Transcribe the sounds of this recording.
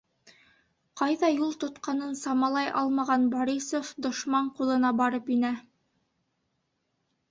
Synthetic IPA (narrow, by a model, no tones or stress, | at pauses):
qɑjðɑjulˠt̪ŏt̪qɑnɤnsɑmɑlˠɑjʔɑlˠmɑʁɑnboɾʲisofd̪ŏʃmɑɴqulˠɤ̆nɑbɑɾɤpinæ